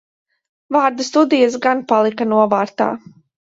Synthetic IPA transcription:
vaːɾd̪ast̪ud̪ijas̬ɡanpalˠikanuɔvaːɾt̪a̰ː

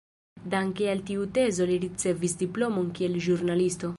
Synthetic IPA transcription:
d̪aŋkealt̪iut̪e̞zoliɾit͡se̞visd̪iplomonkielʒuɾnalist̪o̞

